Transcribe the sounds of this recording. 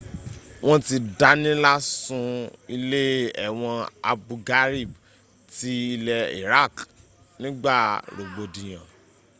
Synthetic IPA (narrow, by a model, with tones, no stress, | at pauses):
w̃ɔ̃˦ti˧da˦nĩ˦la˦sũ˧i˧le˦ɛ̰˦˨w̃ɔ̃˧a̰˧bu˧ɡa˦ɾi˦˨b | ti˦i˧lɛ˧ḭ˨ɾa˦˨k | nĩ˦ɡ͡ba˦˨ɾo˨ɡ͡bo˧dĩ˨j̃ã˨